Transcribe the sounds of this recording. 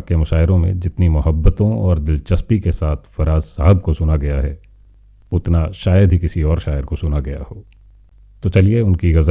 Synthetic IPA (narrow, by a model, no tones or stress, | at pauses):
kemʊʃaːɪɾõmḛ̃d͡ʒɪt̪nimʊɦəbːət̪õɔːɾd̪ɪlt͡ʃɐspikesaːt̪ʰfɐɾaːzsaɦəb̚kosʊnaɡɐjaɦɛ | ʊt̪naʃaːjəd̪ʱɦikɪsiɔːɾʃaːəɾkosʊnaɡɐja̰hoː | t̪ot͡ʃɐlieʊnkiɣɐzə